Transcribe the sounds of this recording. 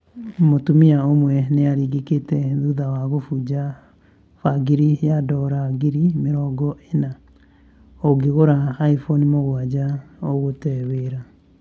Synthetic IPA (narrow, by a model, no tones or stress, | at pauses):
motumiaomwɛneaɾiːɡeketɛðuðawaɣofud͡ʒa | faɡiɾijadɔɾaɡiɾimeɾɔɡɔena | oɡeɣoɾaːifonimoɣwad͡ʒaoɣotɛweːɾa